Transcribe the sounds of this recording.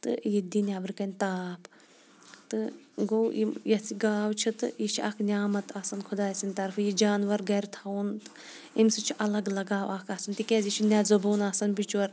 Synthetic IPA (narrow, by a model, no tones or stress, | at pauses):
t̪ɨ̰jid̪inʲaːbɾkɐnʲt̪aːpʰ | t̪ɨ | ɡowimjɐsiɡaːwt͡ʃʰit̪ɨ̰iʃʰiɐ̰kʰnʲaːmɐt̪ʰɐsɐnkʰud̪aːsinʲt̪ɐɾfʰjid͡ʒaːnʋɐɾɡɐɾt̪ʰɐunt̪ɨ | imsɨt͡ʃʰiʔɐlɐɡlɐɡaːwɐkʰɐsɐnt̪ikɛzit͡ʃʰinʲɐzɐbuːnɐːsɐnbit͡ʃʋɐɾ